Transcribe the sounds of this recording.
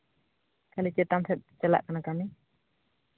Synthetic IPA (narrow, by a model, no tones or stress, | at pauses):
kalit͡ʃɛt̪amsʰɛt̪̚ˀt͡ʃəla̰ʔkanakami